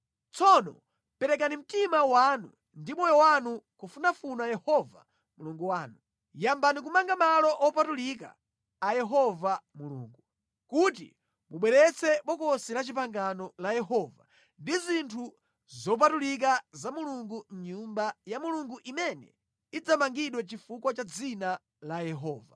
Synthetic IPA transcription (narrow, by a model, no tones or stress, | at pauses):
t͡sɔnɔ̰ | pɛɾɛk̬anim̩timawanṵ | ndimɔjɔwanukufunafunajɛhɔva̰ | muluŋɡuwaːnu | jambanik̬umaŋɡamalɔʔɔpatulik̬a̰ː | jɛɦɔvamulṵːŋɡu | kut̬ḭ | muɓwɛɾɛt͡sʰɛɓɔkɔsinat͡ʃip̬aŋɡanɔlajɛɦɔva̰ | ndizintʰu | zɔp̬atulik̬azamuluŋɡuɲumbajamuluŋɡuʔimɛnɛ̰ | id͡zamaŋɡiɗwɛt͡ʃifukwat͡ʃad͡zina | lajɛɦɔːva